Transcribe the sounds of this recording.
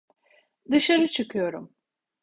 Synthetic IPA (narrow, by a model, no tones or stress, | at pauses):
d̪ɯʃaɾɯt͡ʃʰɯkʰɯjo̞ɾum